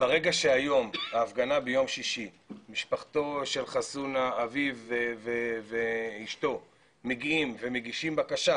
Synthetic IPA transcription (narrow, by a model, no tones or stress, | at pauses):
baʁe̞ɡaʃeajo̞mbaːfɡanabejo̞mʃiʃi | miʃpaχt̪o̞ʃe̞lχasunaːviveveveiʃto̞ | meɡiimve̞me̞ɡiʃimbakaʃa